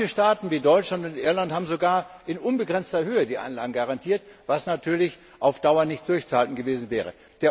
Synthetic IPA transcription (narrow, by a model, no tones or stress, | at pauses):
əʃtaːtn̩viːdɔʏt͡ʃlantʊntʔɪɐlanthaːbm̩zoɡaːɐʔɪnʔʊnbəɡʁɛnt͡stɐhøːədiːʔa̰ɪnlaːɡŋ̩ɡaʁantʰiːɐtv̥asnatʰyːɐlɪç | ʔaʊfd̥aʊɐnɪçt̚d̥ʊɐçt͡suhaltn̩ɡəveːzn̩vɛːʁ̞ə | d̥eːɐ